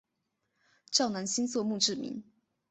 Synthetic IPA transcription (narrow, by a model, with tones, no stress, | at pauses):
ʈ͡ʂɑ˥˩ʊna˧˥nɕi˥nswɔ˥˧mu˥˧ʈ͡ʂɻ̩˥˩mḭ˧˦n